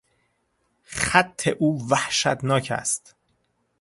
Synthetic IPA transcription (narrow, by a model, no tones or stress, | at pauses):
χæt̪ʰːeʔuːvæhʃæ̰t̪nɒːcʰæ̰st̪